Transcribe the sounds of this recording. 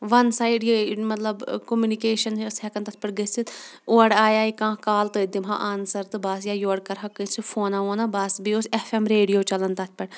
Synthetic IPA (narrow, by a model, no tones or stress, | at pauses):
ʋɐnsaːiɖjimɐt̪ləbkomjuːnikeːʃənsɛkənt̪ɐt̪ʰpɐʈɡəsit̪oːɽaːjaːikãːkaːlt̪ɨd̪imɦã̰ʔaːnsɐɾt̪ɨbɐsjaːjoːɽkɐɾɦɐkːəsifʰoːnaːoːnabɐsbiosɛfʰɛmɾeːɖijoːt͡ʃɐlənt̪ɐt̪̚ʰpɐʈ